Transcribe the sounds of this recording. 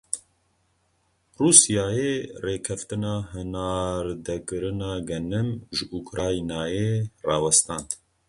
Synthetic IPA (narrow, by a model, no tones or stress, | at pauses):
ruːsijaːjeːreːkʰɛft̪ɨnɑːɦɨnaːɾd̪ɛkɨɾɨnɑːɡɛnɨmʒɨʔukɾaːinaːjeːrɑːwɛst̪ɑːnd̪